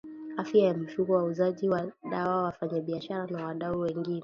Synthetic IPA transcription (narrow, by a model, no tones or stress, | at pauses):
afjajam̩fuɡɔwauzaʄiwaɗawawafaɲaɓiaʃaɾanawaɗauwɛŋɡinɛ